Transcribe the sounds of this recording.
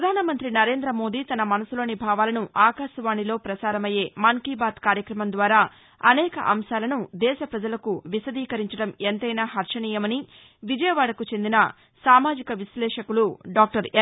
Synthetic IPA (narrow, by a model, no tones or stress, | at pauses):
pɾɐd̪ʱaːnɐmɐnt̪ɾinɐɾe̞ːnd̪ɾɐmo̞ːd̪iːt̪ɐnɐmɐnɐsulo̞ːnibʱaːʋaːlɐnuʔaːkaːʃɐʋaːɳilo̞ːpɾɐsaːɾɐmɐje̞ːmɐŋkiːbaːt̪kaːɾjɐkɾɐmɐnd̪ʋaːɾaː | ɐnɛːkɐ̰ʔɐ̰mʃaːlɐnud̪ɛːʃɐpɾɐd͡ʒɐlɐkuʋisɐd̪iːkɐɾiɲt͡ʃɐɽɐment̪ɐjnaːɦɐɾʂɐniːjɐmɐni | ʋid͡ʒɐjɐʋaːɽɐkut͡ʃend̪inɐ | saːmaːd͡ʒikɐʋislɛːʂɐkuluɖaːk̚ʈɐɾ